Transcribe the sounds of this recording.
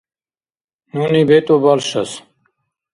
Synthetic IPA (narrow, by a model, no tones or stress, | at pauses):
nunibet̪obɐlɕɐs